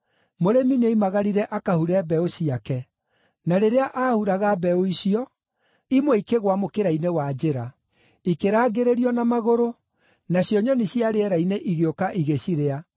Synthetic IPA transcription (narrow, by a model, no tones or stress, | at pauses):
moɾemineimaɣaɾiɾɛʔakahuɾɛbɛoɕiakɛ | naɾeɾeaʔahuɾaɣabɛoiɕiɔ | imweikeɣwamokeɾainewad͡ʑeɾa | ikeɾaːɡeɾeɾiɔnamaɣoɾo | naɕjɔɲɔniɕjaɾeɛɾaineʔiɣeokaʔiɣeɕiɾea